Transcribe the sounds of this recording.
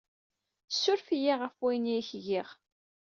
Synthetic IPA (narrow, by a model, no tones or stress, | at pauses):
sːʊɾfijiʁəfwæjniçʝiʁ